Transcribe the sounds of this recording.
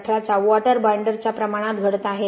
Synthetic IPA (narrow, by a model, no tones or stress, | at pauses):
ʈʰɾat͡saʋaʈəɾbajɳɖəɾt͡ɕjapɾəmaɽ̃at̪ɡʱəɽt̪aːɦe